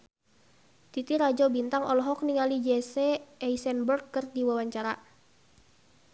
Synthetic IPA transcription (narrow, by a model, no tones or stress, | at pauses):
t̪it̪iɾad͡ʒɔbint̪aŋɔlɔɦɔk̚niŋalid͡ʒɛsɛɛisɛnbərɡkərdiwawaɲt͡ʃaɾa